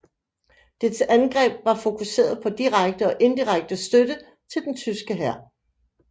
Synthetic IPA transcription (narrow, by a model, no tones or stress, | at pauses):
d̥e̝̥sænɡ̥ʁɛ̰ːb̥̚ʋɑ̈fo̝kʰuse̝̰ːɐðˠpʰɒ̽d̥iʁɑɡ̥̚d̥əɒ̽ʔe̝nd̥iʁaɡ̥̚d̥əsd̥ød̥ə | t͡sʰe̝ld̥ent͡sʰysɡ̥əɦæɐ̰